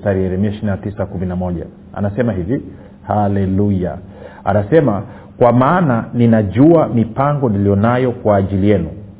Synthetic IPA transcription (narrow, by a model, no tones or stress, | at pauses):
taɾiɛɾɛmiaiʃininatisakuminamɔʄa̰ | a̰nasɛmahivi | halɛluja̰ | a̰nasɛma | kwamaːnaninaʄuamipaŋɡɔnilijɔnajɔkwaːʄilijɛnṵ